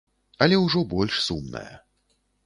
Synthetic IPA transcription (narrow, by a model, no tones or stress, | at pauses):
ɐlʲɛwʐɔbɔlʲʂsumnɐ̰jɐ̰